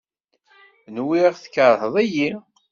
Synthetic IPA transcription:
nwiʁθə̥kːəɾˤhəðˤæji

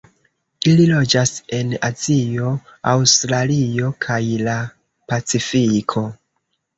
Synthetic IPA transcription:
ililo̞d͡ʒase̞nazio̞awstɾalio̞kʰajla | pat͡sifikʰo̞

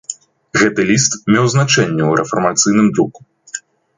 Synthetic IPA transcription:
ɣɛt̪ɨlʲist̪mʲɛwznat͡ʂɛnʲːɛuɾɛfɐrmat̪sɨjnɨmd̪ɾuku̥

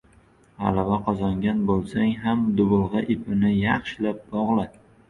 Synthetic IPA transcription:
ha̰lavaqʰɒzaŋɡʲanbolˠsaŋɦamd̪ʊbʊlˠʁɑʔɪpʰɪnɪjɑχʃlap̚bɒʁlˠa

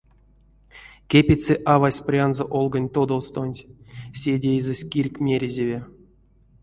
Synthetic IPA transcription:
kʲepʲet͡seʔavasʲprʲanzoʔolˠɡənʲt̪od̪olˠst̪onʲtʲsʲedʲejzɨsʲkʲirʲkʲmʲeɾʲezʲevʲe

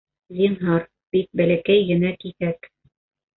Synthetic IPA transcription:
zʲinɦɑɾ | b̥ik̚bælækæjɡɘ̆nækiθæk

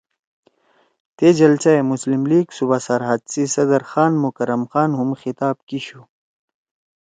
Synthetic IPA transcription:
t̪ed͡ʑɐlt͡saemuslimliːɡsubasɐɾɦad̪sisɐd̪ɐɾxaːnmukɐɾɐmxaːnɦumxit̪aːb̚kiɕu

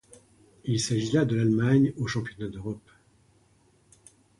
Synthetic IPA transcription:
ilsaʒilad̪əlalmaɲoʃɑ̃pjɔnad̪øʁɔp

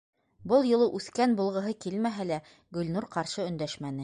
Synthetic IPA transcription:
bɤlˠjɤ̆lˠɤʔʉθkænbulˠʁɤ̆ɦɤkilmæɦælæ | ɡɵ̆lnuɾqɑɾʃɤɵ̆nd̪æʃmænɘ

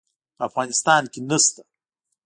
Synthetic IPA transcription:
pəafɣɑnɪst̪ɑnkenəst̪ḁ

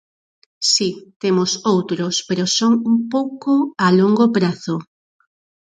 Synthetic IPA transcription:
sit̪emʊsowt̪ɾospeɾosoŋumpowkoaloŋɡopɾaθo

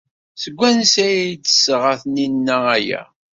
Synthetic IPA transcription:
səɡʷːænsæjæjt͡sːə̥səʁəθninːææjæ̰

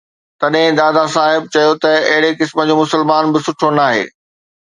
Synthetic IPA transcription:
t̪ɐɗɦɪ̃d̪aːd̪asaːɦɪb̚t͡ɕɐjot̪ɐɐɦɪɽekɪsmə̆d͡ʑoːmʊsəlmaːnbɪsʊʈʰonaːɦḛː

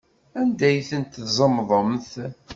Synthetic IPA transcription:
ænd̪æjθənt̪zˤəmðˤəmθ

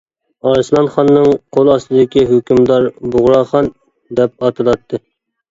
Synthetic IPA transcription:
ɑɾslˠɑnχɑnːɨŋqʰolˠɑst̪ɨd̪ɪkʲiɦøkʲymd̪ɑɾbʊʁɾɑχɑn | d̪ɛp̚ɑt̪ʰɨlˠɑt̪ʰːɨ

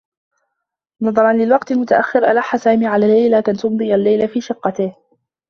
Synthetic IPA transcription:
nɑðˤɑɾˤɑnlɪlwɑqt̪almʊt̪aʔaxːɪɾʔalaħːasaːmiːʕalaːlːajlakant̪ʊmd̪ˤɨjalːajlafiːʃɪqːɑt̪ɪh

